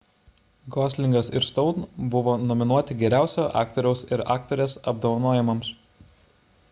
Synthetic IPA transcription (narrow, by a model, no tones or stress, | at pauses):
ɡɔːsʲlʲɪŋɡɐsɪɾst̪ɔʊnbʊʋoːnɔmʲɪnuɔt̪ʲɪɡʲɛɾʲæˑʊsʲoːʔɑ̰ːkt̪ɔɾʲɛʊsɪɾɑ̰ːkt̪ɔɾʲeːsɐb̚d̪oʋɐnuɔjɛmɐms